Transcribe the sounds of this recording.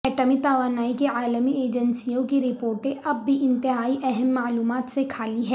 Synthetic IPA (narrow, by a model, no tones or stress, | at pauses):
ɛːʈəmit̪aːʋaːnaːikeaːləmieːd͡ʒənsijõkiɾɪpoːɾʈẽʔɐbːiʔɪ̃nt̪ɪɦaːiʔɛɦɛmːaːluːmaːt̪sekʰaːliɦɛː